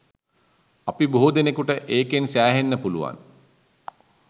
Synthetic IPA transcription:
apiboɦud̪enekuʈəʔeːkensæːɦenːəpuluʋa̰n

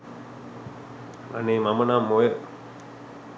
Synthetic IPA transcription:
ʋa̰neːmamənamːoje

